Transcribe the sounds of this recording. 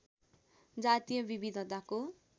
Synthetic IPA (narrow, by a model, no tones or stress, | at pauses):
d͡zat̪ijʌbibid̪ʱʌt̪ako